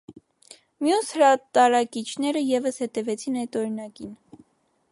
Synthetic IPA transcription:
mjushəɾɑt̪ɑɾɑkit͡ʃʰnɛɾəjɛvəshɛt̪ɛvɛt͡sʰinɑjt̪ɔɾinɑkin

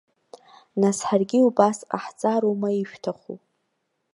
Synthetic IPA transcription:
nasħarɡʲiubasa̰ħt͡sʼaɾomaiʃᶣtʰaχṵ

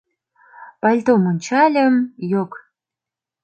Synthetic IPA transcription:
pɑlʲt̪omonʲt͡ɕɑlʲə̆mjok

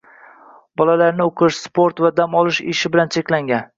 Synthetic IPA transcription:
b̥ɒlalaɾnɪoqʰɪʃspʰoɾt̪vad̪amɒlˠɪʃɪ̰ʃɪbɪlant͡ʃʰekʲlaŋɡʲan

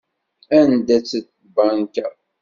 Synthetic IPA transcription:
ænd̪æt͡sːət̪ | bankæ

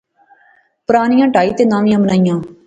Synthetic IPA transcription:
pʊɾaːnɪjãːʈaːiːt̪eːnãːʋɪjãːbənaːɪjãː

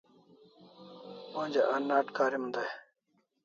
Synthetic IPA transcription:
õnd͡ʑeʔɐnːaːʈkaːɾimd̪aj

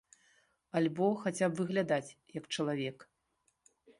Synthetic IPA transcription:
alʲbɔxat͡sʲapvɨɣlʲad̪at͡sʲjɐkt͡ʂɐlˠavʲɛk

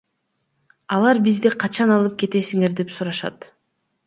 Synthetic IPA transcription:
ɑlˠɑɾbizd̪iqʰɑt͡ʃɑnɑlˠɯp̚ke̞t̪e̞siŋe̞ɾd̪epsuɾɑʃɑ̰t̪

